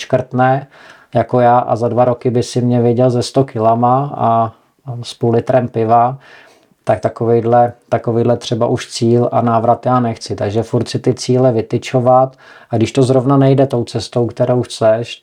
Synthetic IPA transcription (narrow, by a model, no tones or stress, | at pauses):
ʃkr̩t̪nɛː | jakojaːʔa̰zadvaɾokɪbɪsɪmɲɛvjɛɟɛlzɛst̪okɪlamaa | spulɪt̪ɾɛmpɪva | t̪ak̚t̪akovɛjdlɛt̪akoviːdlɛt̪r̝̥ɛbaʔuʃt͡siːlʔa̰naːvɾat̪jaːnɛxt͡sɪt̪aɡʒɛfuɾt̪sɪt̪ɪt͡siːlɛvɪt̪ɪt͡ʃo̞vat̪ | aɡdɪʃt̪ozɾovnanɛjdɛt̪o̞wt͡sɛst̪o̞wkt̪ɛɾowxt͡sɛʃ